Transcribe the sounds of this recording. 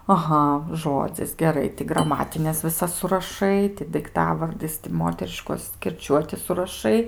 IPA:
ɐˈɣɐ ˈʒoːd͡zʲɪs ɡʲɛˈrɐɪ tʲɪ ɡrɐˈmɑːtʲɪnʲɛs ʋʲɪˈsɐs sʊrɐˈʃɐɪ tʲɪ dɐɪkˈtɑːʋɐrʲdʲɪs tʲɪ ˈmoːtʲɛrʲɪʃkoːs kʲɪrʲˈt͡ʃʲuɔtʲɪ sʊrɐˈʃɐɪ

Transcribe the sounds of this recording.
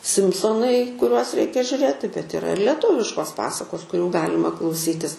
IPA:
ˈsʲɪmsoːnɐɪ kʊˈrʲuɔs ˈrʲɛɪkʲɛ ʒʲʊrʲˈeːtʲɪ bʲɛt ɪˈrɐ ɪr lʲiɛˈtʊʋʲɪʃkoːs ˈpɑːsɐkoːs kʊˈrʲuː ˈɡɑːlʲɪmɐ klˠɐʊˈsʲiːtʲɪs

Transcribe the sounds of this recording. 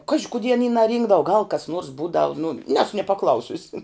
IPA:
ˈkɑːʒʲɪ kʊˈdʲiɛ ɐˈnʲiː nɐˈrʲiːŋɡdɐʋʊ ɡɐlˠ kɐs nuɔrs ˈbuːdɐʋʊ nʊ ˈnʲæːsʊ nʲiɛ pɐˈklˠɐʊsʲʊsʲɪ

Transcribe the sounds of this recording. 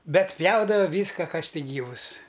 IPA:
ˈbʲɛt ˈpʲjɛʊdɐʋɐ ˈʋʲiːskɐ ˈkɐs ˈtʲɪk ˈɡʲiːʋʊs

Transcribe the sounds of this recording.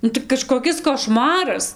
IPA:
ˈnʊ tɐɪ kɐʃkoːˈkʲɪs koːˈʃmɑːrɐs

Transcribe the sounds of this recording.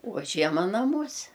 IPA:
oː ˈʒʲiɛmɐ nɐˈmuɔsʲɛ

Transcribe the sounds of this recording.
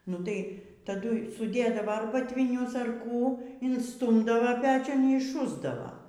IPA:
nʊ ˈtɐɪ tɐˈdʊɪ sʊˈdʲeːdɐʋɐ ɐr bɐtʲʋʲɪˈnʲʊs ɐr ˈkuː ɪnsˈtuːmdɐʋɐ ˈpʲæːt͡ʃʲʊn iː ɪʃˈʃʊzdɐʋoː

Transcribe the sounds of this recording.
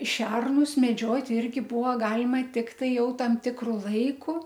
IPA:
ˈʃʲɛrnʊs mʲɛˈd͡ʒʲoːtʲ ˈɪrʲɡʲɪ ˈbʊʋoː ˈɡɑːlʲɪmɐ ˈtʲɪktɐɪ ˈjɛʊ ˈtɐm ˈtʲɪkrʊ ˈlˠɐɪkʊ

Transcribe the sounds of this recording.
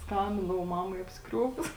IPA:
ˈskɐmʲbʲɪndɐʋɐʊ ˈmɑːmɐɪ ɐpʲsʲɪˈkrʲuɔkʊs

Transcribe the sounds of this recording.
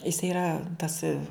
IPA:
jɪs iːˈrɐ tɐs

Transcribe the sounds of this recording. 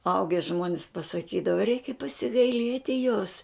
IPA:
ˈɐʊɡʲɛ ˈʒmuɔnʲɪs pɐsɐˈkʲiːdɐʋɐ ˈrʲɛɪkʲɛ pɐsʲɪɡɐɪˈlʲiɛtʲɪ joːs

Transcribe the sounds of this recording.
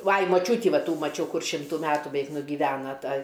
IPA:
ˈʋɐɪ mɐˈt͡ʃʲuːtʲiː ˈʋɐ ˈtuː mɐˈt͡ʃʲɛʊ ˈkʊr ˈʃʲɪmtuː ˈmʲæːtuː bʲɛˈʋʲɛɪk nʊɡʲɪˈʋʲæːnɐ ˈtɐ

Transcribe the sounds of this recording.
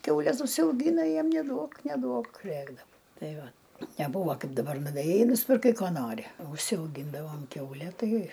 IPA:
ˈkʲɛʊlʲɛs ʊʃʲsʲɛʊˈɡʲiːnɐ ˈjiɛm nʲɛˈduɔk nʲɛˈduɔk ˈrʲeːɡdɐw ˈtɐɪ ˈʋɐ nʲɛˈbuːʋɐ ˈkɐɪp dɐˈbɐr nʊʋʲeːˈjɛɪ ɪ nʊsʲpʲɪrˈkɐɪ ˈkoː ˈnoːrʲɪ ʊʃʲsʲɛʊˈɡʲiːndɐʋoːm ˈkʲɛʊlʲɛ ˈtɐɪ

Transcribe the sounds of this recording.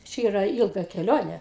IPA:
ˈt͡ʃʲɛ ˈiːrɐ ˈɪlˠɡɐ kʲɛˈlʲoːnʲɛ

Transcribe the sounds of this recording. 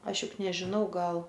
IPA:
ˈɐʃ ˈjʊk nʲɛʒʲɪˈnɐʊ ˈɡɐlˠ

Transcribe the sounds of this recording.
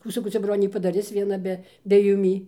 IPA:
ˈkuː sɐˈkɐʊ ˈt͡sʲɛ ˈbroːnʲeː pɐdɐˈrʲɪs ʋʲiɛˈnɐ bʲɛ bʲɛ jʊˈmʲiː

